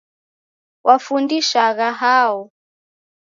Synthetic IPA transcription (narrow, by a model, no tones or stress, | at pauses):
wʔafundiʃaɣaɦaɔ